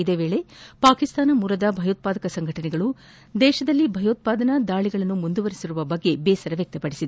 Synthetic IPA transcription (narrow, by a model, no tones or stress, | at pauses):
id̪eːʋeːɭe̞paːkist̪aːnɐmuːɾɐd̪ɐbʱɐjoːt̪̚paːd̪ɐkɐsɐŋɡʱɐʈɐnɛɡɐɭu | d̪ɛːʃɐd̪ɐlːibʱɐjoːt̪̚paːd̪ɐnɐd̪aːɭiɡɐɭɐnːumund̪uʋɐɾisiɾuʋɐbɐɡːe̞beːsɐɾɐʋjɐk̚t̪ɐpɐɽisid̪e